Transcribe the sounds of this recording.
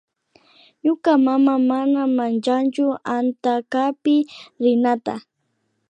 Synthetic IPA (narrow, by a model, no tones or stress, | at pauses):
ɲʊkamamamanamant͡ʃant͡ʃʊant̪akapɪɾɪnat̪a̰